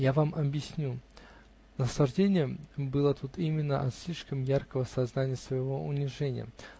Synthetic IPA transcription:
javamɐbjɪsʲnʲu | nəslˠɐʐdʲenʲɪjəbɨlˠət̪ut̪imʲɪnːəʔɐt̪sʲlʲiʂkəmjarkəvəsɐznanʲɪjəsvəjɪvoʊnʲɪʐɛnʲɪ̰jə̰

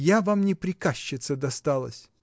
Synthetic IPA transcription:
javamnʲɪpɾʲɪkaɕːɪt̪səd̪ɐst̪alˠə̰sʲ

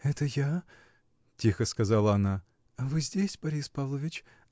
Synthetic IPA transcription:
ɛt̪əja | tʲixəskɐzɑlˠəɐna | ɐvɨzʲdʲesʲbɐɾʲispavlˠəvʲɪt͡ɕ

